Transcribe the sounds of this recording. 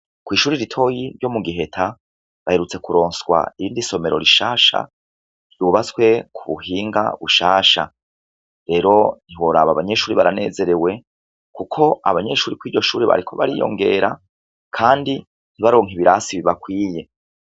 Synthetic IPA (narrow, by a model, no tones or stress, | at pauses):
kwiːʃuːɾiɾitʰo̞jiɾjo̞muɡiɦe̞tʰa | βahe̞ɾut͡se̞kuɾo̞ːnsɡwa̰iiːndiso̞me̞ɾo̞̰ɾiʃaːʃa̰ | ɾjuβat͡skwe̞kʰuβuhiːŋɡa̰βuʃaːʃa̰ | ɾe̞ːɾo̞n̥iwo̞ɾaβaβaɲe̞ʃuːɾiβaɾane̞̰ːze̞ɾewe̞ | kukʰo̞a̰βaɲe̞ʃuːɾikwiːɾɟo̞ʃuːɾiβa̰ɾikʰo̞βa̰ɾijo̞̰ŋɡe̞̰ɾa | kʰaːndi | n̥iβaɾo̞ːŋiβiɾasiβiβakwiːje̞